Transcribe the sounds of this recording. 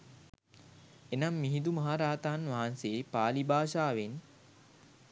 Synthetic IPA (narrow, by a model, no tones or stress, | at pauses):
enamːiɦid̪umaɦaɾaːt̪aːnʋaɦanseːpaːlibaːʃaːʋen